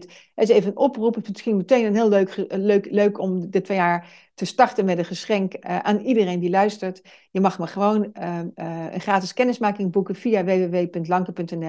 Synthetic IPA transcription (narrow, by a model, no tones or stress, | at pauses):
t | ɛɪsejvənənʔɔprupɪtmɪsxinmətejnənɦɪːlˠløɥkəløɥkløɥkɔmdətʋejaːɹ | təstɑɹtənmɛtətχəsχɛŋkʔa̰ːnidərejndilœɥstəɹt | jəmɑχməχəʋown | ə̰nχraːtɪskɛnɪsmaːkɪŋbukənv̥ijaʋejʋeʋejpɵntlɑŋkəpɵntɛnɛ